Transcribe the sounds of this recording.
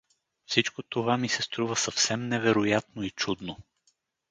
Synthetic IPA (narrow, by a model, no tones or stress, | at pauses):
fsit͡ʃkot̪ovamisɛst̪ɾuvəsɐfsɛmnɛvɛɾojat̪̚noit͡ʃud̪no